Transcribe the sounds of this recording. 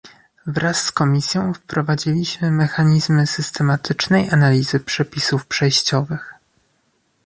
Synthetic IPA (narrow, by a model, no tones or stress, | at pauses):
vɾasːkɔmʲisʲjɔ̃w̃fpɾɔvad͡ʑilʲiɕmɘmɛxaɲizmɘsɘst̪ɛmat̪ɘt͡ʂnɛjʔanalʲizɘpʂɛpʲisufpʂɛjɕt͡ɕɔvɘx